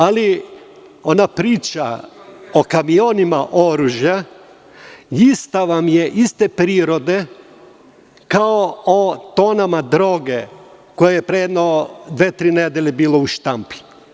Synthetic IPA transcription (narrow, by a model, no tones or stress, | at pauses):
ali | o̞napɾiːt͡ʃa̰okamio̞nimaʔo̞ɾuʒja | ist̪aʋamjeʔist̪epɾiːɾo̞d̪e̞ | kaoot̪oːnamad̪ɾo̞ɡekojejepɾed̪nod̪ʋeːt̪ɾiːned̪eʎʲebiːlouʃt̪ampi̥